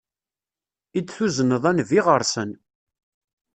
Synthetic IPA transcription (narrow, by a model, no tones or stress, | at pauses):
it͡sːθuzənəðˤænviʁəɾˤsən